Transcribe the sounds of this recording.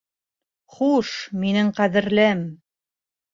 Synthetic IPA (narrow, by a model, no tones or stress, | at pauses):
χuʃminɘɴqæðɘ̆ɾlɘm